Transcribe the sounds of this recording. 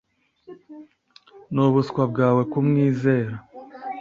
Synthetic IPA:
nuβuskwabɡaːwe̞kumŋiːze̞ːɾa

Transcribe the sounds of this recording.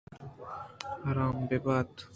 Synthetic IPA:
haɾaːmbebaːt̪

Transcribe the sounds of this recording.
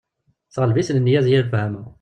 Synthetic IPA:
θʁəlvisnənːjæzjælfhæmæ

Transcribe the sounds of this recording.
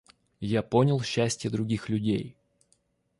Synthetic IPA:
japonʲəlˠɕːæsʲtʲɪjəd̪ɾʊɡʲixlʲʉdʲḛj

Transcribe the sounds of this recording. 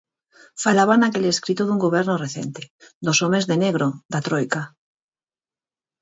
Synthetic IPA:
falaβanakeleskɾit̪oðuŋɡoβ̞eɾnoreθḛnt̪ed̪osomezðeneɣ̞ɾoðat̪ɾojka

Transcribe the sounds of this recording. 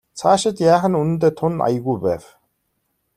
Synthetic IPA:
t͡sʰaːʃɪ̆t̪jaːχə̆nunɘ̆nt̪eːt̪ʰʊna̰jə̆ɣujpæːw

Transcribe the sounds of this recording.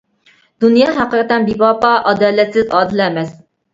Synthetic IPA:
d̪unjɑːɦæqəɾət̪ɛnbipɑpɑʔɑd̪ɑːlɛt̪sɪzɑːd̪ɪlɛːmɛs

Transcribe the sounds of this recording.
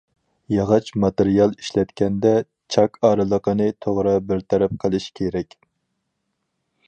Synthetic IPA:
jɑʁɑt͡ʃmɑt̪eɾijɑlˠiʃlɛt̪kʲɛnd̪ɛ | t͡ʃʰɑkʰɑːɾɨlˠəqənɨt̪ʰoʁɾɑbɪɾt̪ʰɛɾɛp̚qʰəlˠɨʃkʲʰeɾɛkʲ

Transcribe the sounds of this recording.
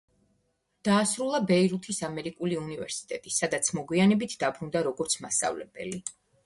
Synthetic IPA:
d̪̥aːsɾulˠabɛiɾut̪ʰisamɛɾikʼuliunivɛ̰ɾsi̥t̪ʼɛt̪ʼisad̪at̪sʰmɔɡwianɛbit̪ʰd̪abɾund̪aɾɔɡɔɾt̪sʰmast̪ʼa̰vlɛ̰bɛ̰li

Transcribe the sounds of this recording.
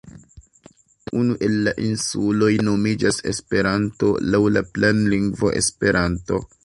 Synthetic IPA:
unuʔe̞lːaʔinsulo̞jno̞mid͡ʒase̞̰spe̞ɾanto̞̰lawlaplenliŋɡvo̞ʔe̞̰spe̞ɾʔanto̞̰

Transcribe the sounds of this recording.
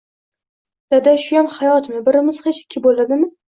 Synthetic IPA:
d̪̥ad̪aʃʊjamχajɒt̪mɪbɪɾɪmɪz̥χet͡ʃʰḁkʲʰːɪbolad̪ɪmɪ

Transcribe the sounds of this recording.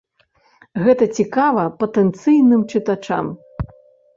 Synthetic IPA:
ɣɛt̪ɐt͡sʲikavɐpɐt̪ɛnt̪sɨjnɨmt͡ʂɨt̪at͡ʂa̰m

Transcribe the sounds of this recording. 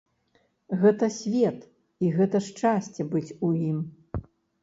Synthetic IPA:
ɣɛt̪ɐsʲvʲɛt̪ | iɣɛt̪ɐʂt͡ʂasʲt͡sʲɛbɨt͡sʲujim

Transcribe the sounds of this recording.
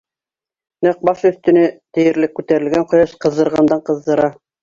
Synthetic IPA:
næq̚bɑʃɵ̆θt̪ɵ̆nɘt̪ɘ̆jɘ̆ɾlɘkːʉt̪æɾɘ̆lɡæɴqŏjɑʃqɤ̆ðːɤ̆ɾʁɑnd̪ɑɴqɤ̆ðd̪ɤ̆ɾɑ

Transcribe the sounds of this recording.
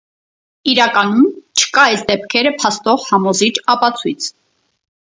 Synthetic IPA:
iɾɑkɑnumt͡ʃʰə̥kɑɛsd̪ɛp̚kʰɛɾəpʰɑst̪ɔʁhɑmɔzit͡ʃʰɑpɑt͡sʰujt͡sʰ

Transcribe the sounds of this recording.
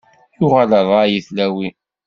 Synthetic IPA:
jʊʁaləðˤajiθlæwi

